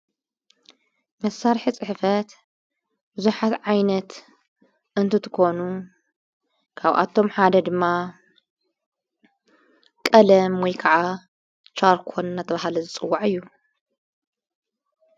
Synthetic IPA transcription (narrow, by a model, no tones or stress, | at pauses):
mɐsːaɾħisʼɨħfɐt̪ | bɨzuħat̪ʕajnɐt̪ | ʔɨnt̪ʰɨt̪ʰɨ̥kʰʷo̞nu | kʰaβʔa̰t̪ʰo̞mħad̪ɐd̪ɨmːa | kʼɐlɐmwɔjkʰɐʕa | t͡ʃaɾkʰonnːat̪ʰɐβaɦalɐzɨt͡sʼɨwːaʕɨjːu